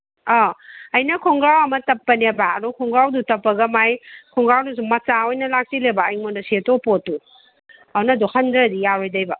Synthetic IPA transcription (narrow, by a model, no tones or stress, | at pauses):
ɔɐjnɐkʰoŋɡɾawɐmɐtɐpːɐnebaɐdɔkʰɔŋɡɾawdutɐpːɐɡɐmajkʰɔŋɡɾawnus̬uŋmɐt͡ʃaojnɐlak̚silebaːjŋmondɐsetopotːu | awnɐduhɐndɾɐdijaɾojdɐjbɐ